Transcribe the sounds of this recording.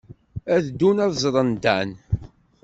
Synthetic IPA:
æðd̪unɑðzˤɾˤənd̪æn

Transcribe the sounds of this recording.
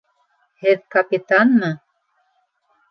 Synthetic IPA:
hɘðkapit̪anmɤ

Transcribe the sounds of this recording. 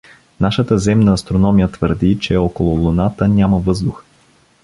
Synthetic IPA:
naʃət̪əzɛmnəːst̪ɾonɔmijət̪vəɾd̪it͡ʃɛɔkolˠʊlˠʊnat̪ənʲaməvɤzd̪ux

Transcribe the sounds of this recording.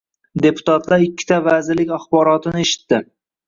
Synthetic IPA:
d̪e̞pʰʊ̥t̪ʰat̪laɾɪkʲːɪ̥t̪ʰavazɪɾlɪkʲaχbɒɾɒt̪ʰɪnɪe̞ʃɪ̥t̪ːɪ

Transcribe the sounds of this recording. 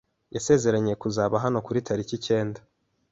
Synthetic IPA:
jase̞ːze̞ɾaɲekuzaːβaɦano̞kuɾitʰaɾicice̞ːnda

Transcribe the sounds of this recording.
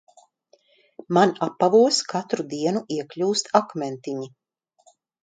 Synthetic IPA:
manapːavuɔskat̪ɾud̪iɛnuʔiɛklʲuːst̪akmɛnt̪iɲi

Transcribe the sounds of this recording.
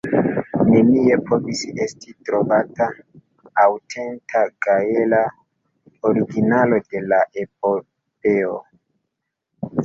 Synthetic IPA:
ne̞nie̞pʰo̞visestʰitɾo̞vataː | wtʰe̞ntʰaɡaela | oɾiɡinalo̞de̞laʔe̞p̚o | pe̞o

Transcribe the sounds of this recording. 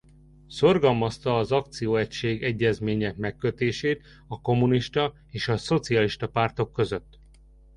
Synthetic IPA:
so̞rɡɒlmɒst̪ɒːzɒk̚t̪sijoːɛcʃeːɡɛɟːɛzmeːɲɛk̚mɛkːøt̪eːʃeːt̪ | ɒko̞muniʃt̪ɒ | eːʃɒso̞t̪siɒliʃt̪ɒpaːrt̪o̞kːø̞zøt̪ː

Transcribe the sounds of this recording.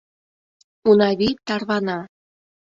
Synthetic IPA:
unɑβit̪ɑrβɑnɑ

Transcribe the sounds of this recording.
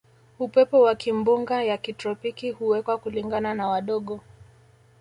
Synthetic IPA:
upɛpɔwakimbuŋɡajakitɾɔpikihuwɛkwakuliŋɡananawaɗɔɠɔ

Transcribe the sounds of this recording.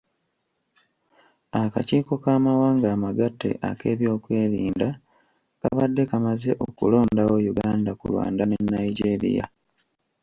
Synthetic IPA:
akaciːko̞kaːmawaːŋɡaːmaɡatːe̞̰ʔa̰ke̞ːβjo̞ːkwe̞ːɾiːnda | ka̰βadːe̞kamaze̞ʔo̞kulo̞ːndawo̞juɡaːndakṵlwa̰ːndanenːajiɟeɾḭja̰

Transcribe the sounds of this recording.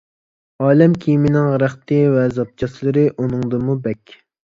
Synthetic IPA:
ɑːlɛmkʲʰijimɪnɪŋʁɾæχt̪ɨvɛzɑp̚t͡ʃʰɑslˠɨɾɨʔunɨŋd̪ɨmubɛkʲ

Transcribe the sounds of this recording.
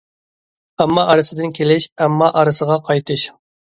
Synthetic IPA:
ɛmːɑʔɑɾɨsɨd̪ɪnkʲʰelɪʃɛmːɑʔɑɾɨsəʁɑqʰɑjt̪ʰɨʃ

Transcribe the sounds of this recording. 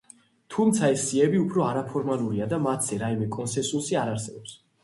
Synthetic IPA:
t̪ʰumt̪sʰaɛsːiɛbiupʰɾɔaɾapʰɔɾmalˠuɾiad̪amat̪ʰz̥ɛɾaimɛkʼɔnsɛ̃nsusiaɾaɾsɛbɔps

